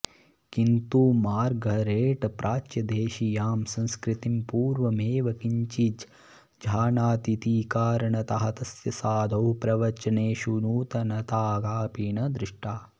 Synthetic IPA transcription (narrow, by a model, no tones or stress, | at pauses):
kint̪uːmaːɾɡʱɐɾeːʈpɾʔaːt͡ʃjɐd̪eːʃijaːmsɐ̃nskɾit̪impuːɾʋɐmeːʋɐkiɲt͡ʃid͡ʒ | d͡ʒʱaːnaːt̪it̪iːkaːɾɐɳɐt̪ɐɦɐt̪ɐsjɐsaːd̪ʱɐwpɾɐʋɐt͡ʃɐneːʃunuːt̪ɐnɐt̪aːɡaːpiːɳɐd̪ɾɪʂʈaː